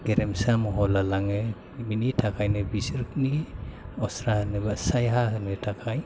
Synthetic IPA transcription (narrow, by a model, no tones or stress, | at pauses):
ɡeɾemsamɔɦɔlalaŋɯ | minitʰakʰajnɯbisɾk̚niɔsɾahɯnɯbasajɦaɦɯnɯtʰakʰaj